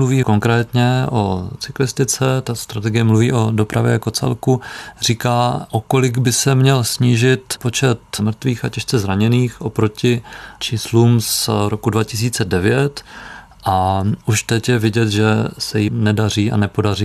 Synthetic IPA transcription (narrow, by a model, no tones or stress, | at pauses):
mluviːko̞ŋkɾɛːt̪ɲɛʔot͡sɪklɪst̪ɪt͡sɛt̪ast̪ɾat̪ɛɡɪjɛmluviːʔo̞do̞pɾʔavjɛ̰jako̞t͡sɛ̰lkuriːkaːʔoko̞lɪɡbɪsɛmɲɛlsɲiːʒɪt̪po̞t͡ʃɛt̪mr̩t̪viːxacɛʃt͡sɛzɾaɲɛniːxʔo̞pɾo̞cɪt͡ʃiːsluːmsɾokudvacɪs̬iːt͡sɛdɛvɪjɛt̪ | ʔaʔuʃt̪ɛcjɛvɪɟɛt̪ʒɛsɛjɪnɛdar̝iːa̰nɛpo̞dariː